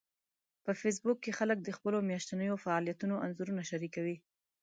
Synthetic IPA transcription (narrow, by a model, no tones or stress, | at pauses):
pəfes̬bʊkːexalək̚d̪əxpəlomjaʃt̪anəjofaɑlijat̪unoʔanzuɾunaʃaɾikawi